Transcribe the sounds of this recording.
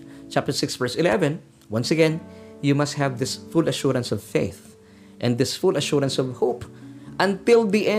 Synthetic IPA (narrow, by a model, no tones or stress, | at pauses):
t͡ʃæp̚t̪ə˞sɪksvɛɹsɪlɛvɛ̃n | wʌ̃nsəɡɛ̃njɨmʌst̚hævðɪsfʊlɐʃʊɹãnsɔv̥feɪθ | ʔɛ̃nd̪ɪsfʊlɐʃʊɹə̃nsɔvhopʔə̃nt̪ɪlˠðiʔɛ̃